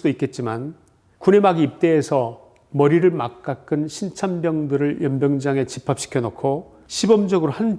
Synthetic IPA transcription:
doik͈e̞t̚t͡ɕ͈iman | kune̞maɡiːp̚t͈e̞ːsʰʌ | mʌɾiɾɯɭmak̚k͈ak͈ɯnɕʰint͡ɕʰambjʌŋdɯɾɯɭjʌmbjʌŋd͡ʑaŋe̞t͡ɕipʰap̚ɕ͈i̥kʰjʌnokʰo | ɕʰibʌmd͡ʑʌɡɯɾohan

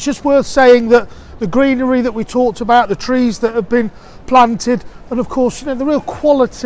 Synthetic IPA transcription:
sd̥ʒ̥ʌst̚wɜ˞θseɪɪ̃ŋðəʔ̪ | ðɨɡɹĩnə˞iðəʔ̚witʰɔˑk̚təbaʊʔ̪̚ðətʰɹ̥izðət̚həvbɪ̃n | pʰl̥ãntʰɪdə̃nʌv̥kʰɔɹsjnəʊðəɹiːlˠkʰw̥ɒlˠɪtʰ

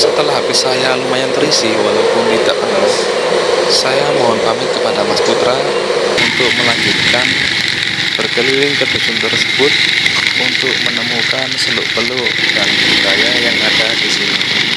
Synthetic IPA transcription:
sət̪əlaɦapisajalumajant̪əɾisiwalawpʊndidaʔpənas | sajamoɦɔnpamɪt̪kəpadamasput̪ɾa | unt̪ʊk̚məlaɲd͡ʒut̪̚kan | b̥ərkəliɾɪŋkət̪usʊnt̪ərsə̥bʊt̪̚unt̪ʊk̚mənəmukansəlʊʔpəlʊʔdanukajajaŋːadadisini

